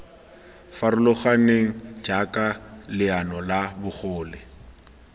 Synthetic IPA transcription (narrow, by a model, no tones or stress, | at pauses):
faɾʊlʊχaneŋ̩d͡ʒakʼalɪanɔlabʊχʊːlɛ